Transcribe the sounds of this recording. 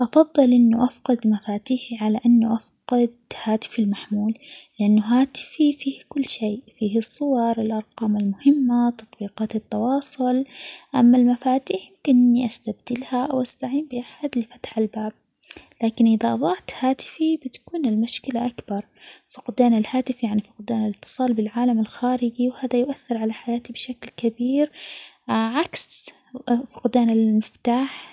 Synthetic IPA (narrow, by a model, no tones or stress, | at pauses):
ʔɑfɑðˤːɨlʔɪnːuʔafqɪd̪mafaːt̪iːħiʕalaʔanːuʔafqɑd̪̚haːt̪ɪ̥filmaħmuːlːɪʔanːuɦaːt̪ɪ̥fifiːhkʊlːʃeːfiːhɨsˤːʊwɑɾˤɪlʔɑɾˤqɑːmɪlmʊhɪmːat̪ɑt̪ˤbiːqɑːt̪ɪt̪ːɑwɑːsˤʊlʔa̰mːalmafaːt̪iːħjmkɪnɪnːiʔast̪abd̪̥ɪlhaawʔast̪aʕiːmbɪʔaħad̪lɪfḁt̪ħalbaːb̚ | laːkɪnʔɪðaʔɑðˤɑʕt̪haːt̪ɪ̥fibɪt̪ḁkuːnɪlmʊʃkɪlaʔakbɑɾˤfʊqd̪aːnɪlhaːt̪ɪfjaʕnifʊ̥qd̪aːnalɪt̪ːɨ̥sˤɑːlbɪlʕaːlamalxaːɾɪd͡ʒiwhaːðajʊʔaθːɪɾʕalaħajaːt̪ibɪʃaklkabiːɾ | ʕaks | fʊqd̪aːnalmɪft̪aːħ